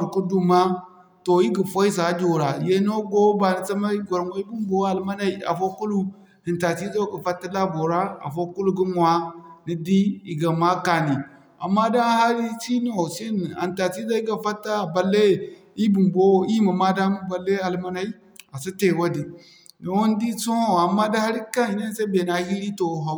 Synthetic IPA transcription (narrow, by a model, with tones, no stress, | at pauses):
ɾku˦du˨ma˦ | to˨i˦ɡi˨fo˦i˦s̬a˨˦d͡ʒo˨ɾa˨je˦no˦ɡo˦ba˨ni˨t͡sa˦ma˦i˦ɡʷo˨ɾŋo˦i˦bu˦mbo˦a˨lma˦na˦i˦a̰˨fo˦ku˦lu˦ | hi˨nta˨ti˦zo˦ɡa˨fa˦tːa˦la˦bo˨ɾa˦a̰˨fo˦ku˦lu˦ɡi˦nwa˦ni˦di˦i˨ɡa˨ma˦ka˨ni˨ | a̰˨mːa˦da˦ha˦ɾi˦t͡ʃi˦n˦o˨si˦n˨a̰˨nta˨t͡ʃi˦za˦i˦ɡa˨fa˦tːa˦˨ba˨le˦˨ | i˦bu˨mbo˦i˦ma˨ma˦da˦m˦ba˨le˦a˨lma˦na˦i˦ | a˨sa˦te˨wa˦di˨ | ni˨wo˦n˦di˦so˦˨a˨mːa˦da˦ha˦ɾi˦ka˦i˨na˦n˦sa˦i˦be˨na˨˦hi˦ɾi˦to˨ɦa˨